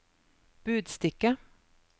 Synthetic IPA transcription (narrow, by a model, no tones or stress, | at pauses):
b̥ʉːd̪st̪ɪkːa